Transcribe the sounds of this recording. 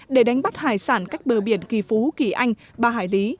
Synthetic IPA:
ɗe˧˩ɗa˨˦jŋ̟ɓa˦˥t̚haː˧˨˩jsaː˧˩nkaː˦˥jk̚ɓəː˧˩ɓḭ˧˩˨ənki˧˩fu˨˦ki˧˩ʔa˧jŋ̟ | ɓaː˧ɦa̰ː˧˩jli˨˦

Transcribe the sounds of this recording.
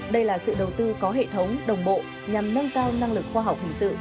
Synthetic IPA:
ɗə˧jlaː˨˩sɨ̰˧˨ɗə˨˩wt̪ɨ˧kɔ˨˦ɦḛ˧˨t̪ʰə˨˦wŋ͡mɗə˨˩wŋ͡mɓo̰˧˨ | ɲa˨˩mnə˧nkaː˧wna˧ŋlɨ˨˩k̚xwaː˧ɦa˨˩wk͡p̚hï˨˩ŋsɨ̰˧˨ʔ

